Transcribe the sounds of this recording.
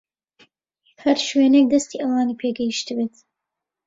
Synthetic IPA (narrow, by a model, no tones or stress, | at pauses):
hɐɾʃwenek̚d̪ɐst̪iːʔɐwaːnipʰeɡɛjiʃt̪ɨbeːt̪